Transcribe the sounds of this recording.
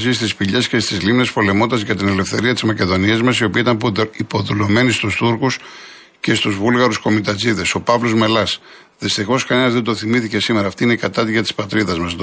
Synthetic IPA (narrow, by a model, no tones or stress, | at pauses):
sist̪ispiʎe̞sce̞st̪izlimne̞spo̞le̞mo̞nd̪ɐzʝɐt̪ine̞le̞fθe̞ɾiɐt̪izmɐce̞ðo̞niezmɐsio̞piɐit̪ɐnipo̞ðulo̞me̞nist̪ust̪uɾkus | ce̞st̪uzvulɣɐɾusko̞mit̪ɐziðe̞so̞pɐvlo̞zme̞lɐs | ðist̪ixo̞skɐnenɐzðe̞d̪o̞θimiθice̞sime̞ɾɐːft̪iine̞kɐt̪ɐt̪iʝɐt̪ispɐt̪ɾiðɐzmɐs